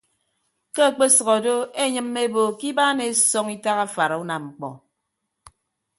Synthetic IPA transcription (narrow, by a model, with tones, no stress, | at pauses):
ke˦a˨k͡pe˦sʌ˨ɣɔ˨do˦e˦˨ɲɨ˦mːe˦bo˨ki˦baː˦ne˨˦sɔ˦ŋi˦ta˦ɣa˦fa˨ɾa˨u˦na˨ŋ͡m̩˨k͡pɔ̰˨